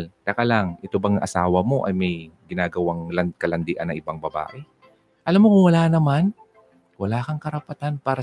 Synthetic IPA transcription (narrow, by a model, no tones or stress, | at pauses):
lt̪ɐkalaŋʔɛt̪obɐŋʔɐ̰saːwɐmo̞ʔɐjmɐjɡɪnaːɡɐwaŋlɐnkɐlɐnd̪ɪʔɐnːɐŋʔɪbaŋbɐba̰ːʔɛ | ʔɐlamːokʊŋwɐlaːnɐman | wɐlaːkɐŋkɐɾɐpɐt̪anpaːɾɐ